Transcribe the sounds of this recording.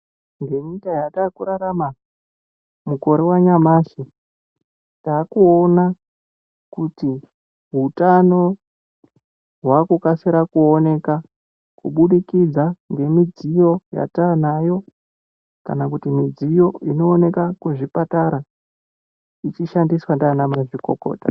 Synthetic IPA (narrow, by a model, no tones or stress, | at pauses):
ŋɡe̞ɲikajataːkuɾaɾama | muko̞ɾewaɲamaːso | taːkuona | kuti | ɦutano̞ | ɦwakukaseɾakuone̞ka | kuɓuɗikid͡zaŋɡe̞mid͡zijo̞ja̰tanajo̞ | ka̰nakutimid͡zijo̞ino̞ːne̞kakuʐipataɾa | it͡ʃiʃandiswandaːnamaʐiko̞̰ko̞̰ːta